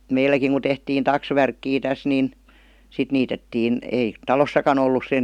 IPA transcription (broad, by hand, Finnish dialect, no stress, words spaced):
meilːækiŋ ku tehtiːn tɑksʋærkːiː tæs nin sit niːtetːiːn eˑi tɑlosːɑkɑn olːus sen